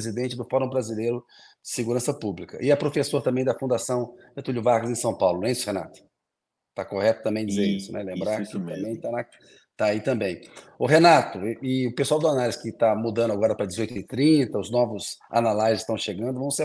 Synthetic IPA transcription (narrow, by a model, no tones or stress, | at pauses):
zid̪ẽnt͡ʃɪd̪ʊfɔɾõw̃bɾazilejɾʊ | d͡ʒɪsɪɡuɾɐ̃sɐpublikɐʔɪɛpɾofesoɾt̪ɐ̃bẽj̃d̪ɐfũnd̪asɐ̃w̃et̪uluvaɾkʊzẽsɐ̃w̃pawlʊñɛisʊhena̰t̪ʊ̥ | t̪akohɛt̪ʊt̪ɐ̃mbẽj̃d͡ʒɪzeɾisʊnɛlẽmbɾaɾkɪɐ̃bẽj̃t̪aa | t̪ait̪ɐ̃mbẽj̃ʊɦenat̪ʊʔɪʊpesuawd̪ʊanalɪzskɪt̪amud̪ɐ̃nd̪ʊaɡɔɾɐpɾɐd͡ʒɪzojt̪ɪt̪ɾĩt̪ɐʊznɔvʊza̰nalajzɪ̥st̪ɐ̃w̃ʃeɡɐ̃nd̪ʊvɐ̃w̃se